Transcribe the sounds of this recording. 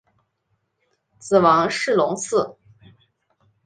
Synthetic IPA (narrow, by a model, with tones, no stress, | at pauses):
t͡sɹ̩˨˩wɑ˧˥ŋʂɻ̩˥˩lʊ˧˥ŋsʰɹ̩˥˩